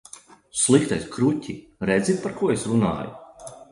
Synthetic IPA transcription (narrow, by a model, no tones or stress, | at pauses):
slˠikt̪ajskɾutʲi | ɾɛd̪zit̪̚paɾkuɔesɾuna̰ːju